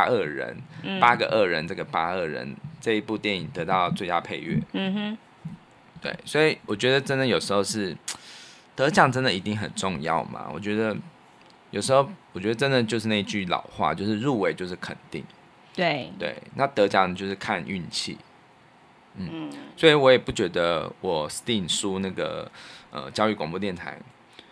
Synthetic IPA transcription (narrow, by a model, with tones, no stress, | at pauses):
a˥ə˥˩ɻə̰˧˥n˥pa˦˥ɡə˨˩ʔə˥˩ɻə˧˦nʈ͡ʂə˥˩ɡə˩pa˥ə˥˩ɻə̰˧˦nʈ͡ʂɤ˥˧i˧˥pu˥˧t̪jɛ˥˩ni˨˩ŋt̪ɤ˧˥t̪ɑ˥˧ʊt͡swe˥˩ɪt̪a˥˧pʰe˥˧ɪɥɛ̰˥˩ | t̪wḛ˥˩ɪswɔ˧˥i˨˩wɔ˨˩t͡ɕɥɛ˧˥d̪ə˨ʈ͡ʂə˥nd̪ə˨jo˨˩ʊʂɻ̩˧˥xo˥˧ʊʂɻ̩˥˩ | t̪ɤ˧˦t͡ɕjɑ˥˩ŋʈ͡ʂə˥nd̪ə˨i˧t̪i˥˩ŋxə̰˨˩nʈ͡ʂʊ˥˧ŋjɑ̰˥˩ʊma̰˨˩wɔ̰˨˩t͡ɕɥɛ˧˥d̪ə˧ | jo˨˩ʊʂɻ̩˧˥xo˥˩ʊwɔ˨˩t͡ɕɥɛ˧˦˥ə˧ʈ͡ʂə˦nd̪ə˨t͡ɕjo˥˧ʊʂɻ̩˥˧na˥˧i˧t͡ɕy˥˩lɑ̰˨˩˦ʊxwa̰˥˧t͡ɕjo˥˧ʊʂɻ̩˥˧ɻu˥˩we˧˥ɪt͡ɕjo˥˧ʊʂ̬ɻ̩˥˩kʰə̰˨˩nt̪ḭ˥˩ŋ | we˥˩t̪wḛ˥˩ɪna˥˩t̪ɤ˧˦˥t͡ɕjɑ˥˩ŋt͡ɕjo˥˧ʊʂɻ̩˥˩kʰa˥˧ny̰˥˧nt͡ɕʰḭ˥˩ | n̩˥˩swɔ˧˥i˨˩wɔ˧˦˥jɛ˨˩pu˥˩t͡ɕɥɛ˧˥d̪ə˧˦wʔɔ˨˩st̪i˥˩nʂu˥na˥˩ɡə̰˩ə̰˧˩t͡ɕjɑ˥ʊy˥˩kwɑ˨˩ŋp̬ɔ˥˧t̪̬jɛ˥˩nt̪ʰa̰˧˥ɪ